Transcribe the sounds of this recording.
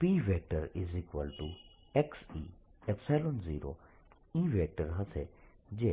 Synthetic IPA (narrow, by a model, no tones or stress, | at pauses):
piːʋeːʈəɾizikʋəlʈu | ɛksḭː | ɛpsɛːlonziːɾo̰ | iːʋeːʈəɾɦɐse | d͡ʒeː